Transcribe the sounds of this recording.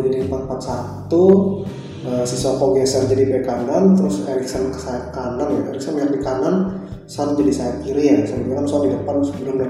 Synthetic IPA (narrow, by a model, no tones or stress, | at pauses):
d͡ʒadimpanpat̪̚sat̪u | əsisɔkɔɡɛsard͡ʒadibekanant̪əɾʊsɛɾiksankə̥saakananjaɛɾik̚sanmiɦadikanan | sand͡ʒadisajat̪kiɾijasadibaɾamsadidəpansəbəlʊmda